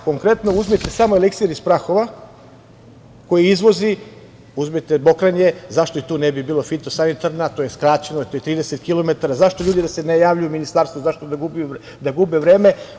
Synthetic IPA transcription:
ko̞ŋkɾe̞t̪no̞uzmet̪e̞samoelekt̪sijeɾispɾaxo̞ʋa | ko̞jiizʋo̞zi | uzmit̪ebo̞kɾaɲe̞zaʃt̪o̞it̪uːnebibiːlˠo̞fit̪o̞sanit̪aɾnat̪o̞je̞skɾat͡ɕe̞noit̪ojet̪ɾiːd̪eset̪kilˠo̞me̞t̪aɾazaʃt̪o̞ʎuːd̪id̪ase̞nejaːʋʎujuminist̪aːɾst̪ʋozaʃt̪od̪aɡubu | d̪aɡubeʋɾeːme̞

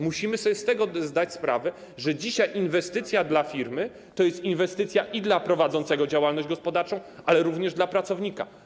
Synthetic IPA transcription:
muɕimɘsɔbʲjɛst̪ɛɡɔzd̪at͡ɕspɾa̰vɛ | ʐɛd͡ʑiɕajʔinvɛst̪ɘt̪sʲjad̪lafʲiɾmɘ | t̪ɔjɛst̪invɛst̪ɘt̪sʲjaʔid̪lapɾɔvad̪zɔnt̪sɛɡɔd͡ʑawalnɔʑd͡ʑɡɔspɔd̪aɾt͡ʂɔ̃w̃alɛɾuvɲɛʐd̪lapɾat̪sɔvɲika̰

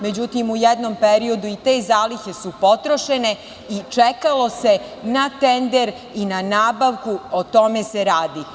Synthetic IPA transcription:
me̞d͡ʑut̪imujɛd̪no̞mpeɾio̞d̪uit̪e̞ːzaːliçe̞supo̞t̪ɾo̞ʃe̞ne̞ | it͡ʃekalo̞se̞ | nat̪end̪e̞ɾ | inanaːbaʋkuot̪o̞me̞seɾaːd̪i

